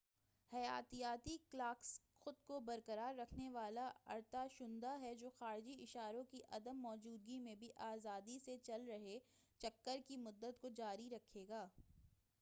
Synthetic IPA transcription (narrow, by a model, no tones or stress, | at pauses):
hɐjaːt̪ijaːt̪iklaːksxʊd̪kobɐɾkəɾaːɾːɐkʰneʋaːlaɐ̰ɾt̪aʃʊ̃nd̪aɦɛd͡ʒoːxaːɾɪd͡ʒiɪʃaːɾõkiʔɐd̪əmːɔːd͡ʒuːd̪̚ɡimẽbʱiʔaːzaːd̪iset͡ʃɐlɾɐɦe | t͡ʃɐkːəɾkimʊd̪ːət̪kod͡ʒaːɾiɾɐkʰeːɡaː